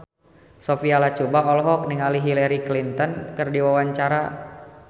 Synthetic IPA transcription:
sofialat͡ʃubaɔlɦɔk̚nɪŋaliɦilɛɾiklint̪ɔnkɨrdiwawaɲt͡ʃaɾa

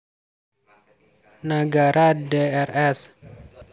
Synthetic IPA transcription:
nəɡaɾadeɛrɛs

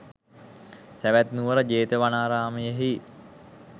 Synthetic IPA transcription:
sæʋæt̪nuʋəɾəd͡ʒeːt̪əʋanaːɾaːməjəɦi

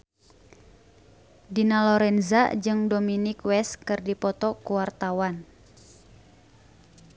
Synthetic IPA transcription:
dinalɔɾɛnza̰d͡ʒɨŋdominikwɛskɨrdipɔt̪ɔkuwart̪awan

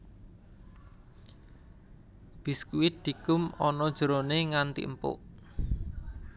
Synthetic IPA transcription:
b̥i̤skuwid̪̚d̪̥i̤kʊmɔnɔd̥ʒ̥əɾoneŋant̪ḭəmpʊ̰ʔ

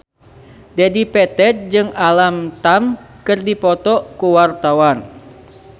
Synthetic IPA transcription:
dadipɛt̪ɛt̚d͡ʒɨŋalamt̪am | kɨrdipɔt̪ɔkuwart̪awan

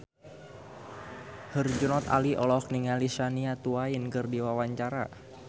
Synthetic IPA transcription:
hərd͡ʒunɔt̪a̰liʔɔlɔkniŋalisaniat̪uainkɨrdiwawaɲt͡ʃaɾa̰

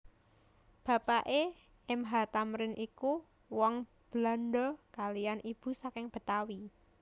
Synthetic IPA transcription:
b̥ä̤paʔe | ɪmɦat̪amɾɪnʔiku | wɔŋ | b̥la̤nɖɔkalijanʔib̥ṳsakɪŋb̥ə̤t̪awi

